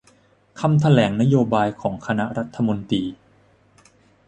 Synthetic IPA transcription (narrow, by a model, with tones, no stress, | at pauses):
kʰa˧mt̪ʰa˧lɛː˩˦ŋna˦˥joː˧baː˧jkʰɔː˩˦ŋkʰa˧na˦˥ɾa˦˥t̪ʰːa˧mo˧nt̪iː˧